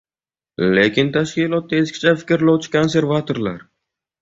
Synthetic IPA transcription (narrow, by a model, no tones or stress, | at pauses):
lekʲʰɪnt̪ʰaʃkʲilˠɒt̪̚ːaeskʲʰɪ̥t͡ʃʰafɪ̥kʲɾlowt͡ʃʰɪ̥kʰonseɾvat̪ʰoɾlˠaɾ